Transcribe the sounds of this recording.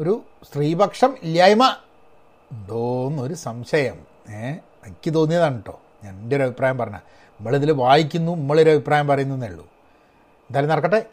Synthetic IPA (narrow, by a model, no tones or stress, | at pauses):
o̞ɾust̪riːbɐkʂɐmiljaːjɐmɐ | ɳɖonːoɾusɐmɕɐjɐm | e | ɐkʲːɨt̪o̞ːnːijɐðaːɳiʈːo̞̰ː | ɲaːndeɾɐbʱipraːjɐmpɐrɐɲːa̰ | ɐmːɐɭeðilʋaːjik̬ʲːunːunimːɐɭoɾuɐbʱipraːjɐmpɐrɐjunɐnɐɭːṵ | nd̪aːlɐnɐrɐkːɐʈːe